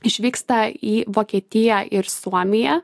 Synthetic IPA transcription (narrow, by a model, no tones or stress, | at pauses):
ɪʃʲʋʲiːkst̪ɐiːʋoːkʲiɛt̪ʲɪjæʔɪɾsuɔmʲɪjɛ